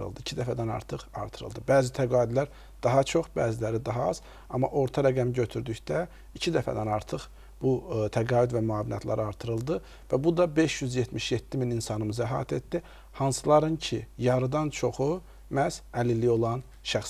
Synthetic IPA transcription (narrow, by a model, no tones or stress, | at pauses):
ɯ̰lˠd̪ɯicʰid̪æfæd̪ænɑ̰ɾt̪ʰɯχɑ̰ɾt̪ʰɯɾɯ̰lˠd̪ɯbæːzit̪ʰæɡɑːid̪læɾ | d̪̥ɑɦɑt͡ʃʰo̞χbæːzilæɾid̪ɑɦɑɑz̥ | ɑmːɑ̰ʔo̞ɾt̪ʰɑɾæɡæmɟø̞t̪ʰyɾd̪yçd̪æ | icʰid̪æfæ̰d̪ænɑɾt̪ʰɯχ | b̥ut̪ʰæɡɑːyd̪væmyɑːvinʔɑ̰t̪lˠɑ̰ɾɯɑɾt̪ʰɯɾɯlˠd̪ɯ | væbud̪ɑbe̞ʃjyzjet̪miʃjet̪ʰːimininsɑnɯmɯzɑæɦɑ̰ːt̪ʰe̞t̪d̪i | hɑnsɯlˠɑɾɯncʰijɑɾɯd̪ɑnt͡ʃʰo̞χu | mæsælilio̞lˠɑn | ʃæxs